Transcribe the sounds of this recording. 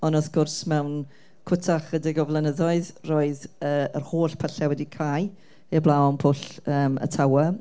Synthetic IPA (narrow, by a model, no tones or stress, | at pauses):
ɔnɔθɡ̥ʊrsmɛwn | kʰʊtʰaχədɪɡɔvlˠənəðɔɨðroːɨðəːərhoːɬpʰəɬɛwɛdikʰaj | ɛblˠaɔnpʰʊɬəːmə̰tʰawə